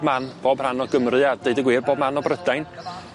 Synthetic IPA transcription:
bmanb̥oːbr̥anɔɡəmrɨad̥eɨdəɡwiːrboːbmanɔbrədajn

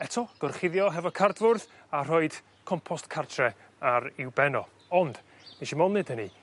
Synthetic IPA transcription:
ɛtʰɔɡ̥ɔrχɪðjɔɦɛvɔkʰardvʊrð | ar̥oɨd̥ | kʰɔmpʰɔstkʰartʰrɛ | aɾɪwbɛnɔ | ɔnd̥ | niʃimɔnɨd̥əni

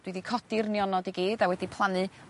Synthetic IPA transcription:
d̥widikʰɔd̥ɪrniɔnɔdiɡiːdawɛdipʰlˠanɨ

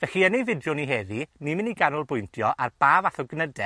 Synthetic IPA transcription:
vɛɬiənevɪdjʊniɦeːðinimɪniɡanʊlˠbʊjntʰjɔʔarb̥aːvaθɔɡnədɛ

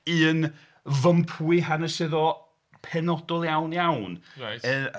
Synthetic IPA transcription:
ɨːn | vəmpʰuɨɦanəsɨðɔ | pʰɛnɔdɔlˠjawnjawnə

